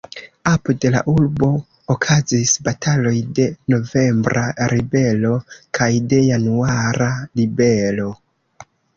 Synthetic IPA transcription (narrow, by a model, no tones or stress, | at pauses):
apode̞la̰ʔulbo̞ː | kʰazisbatʰalo̞jde̞no̞ve̞mbɾʔaɾibe̞lo̞kʰajde̞januaɾalibe̞lo̞